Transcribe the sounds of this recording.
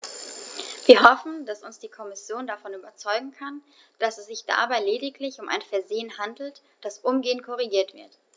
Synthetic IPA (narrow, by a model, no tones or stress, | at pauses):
v̥iːɐɦɔfn̩d̥asʊnsd̥iːkʰɔmɪsjoːndafɔnyːbɐt͡sɔʏɡŋ̩kʰan | d̥asɛsz̥ɪçd̥a̰baɪleːdɪklɪçʊmʔa̰ɪnfɛɐzeːənɦandl̩t | d̥asʔʊmɡeːənkʰɔʁ̞iɡiːɐtv̥ɪ̰ɐt